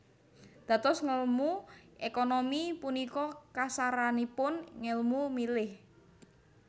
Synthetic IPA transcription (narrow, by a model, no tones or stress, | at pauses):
d̪̥a̤t̪ʊsŋəlmuʔekonomipunikɔkasaɾanipʊnŋəlmumilɪh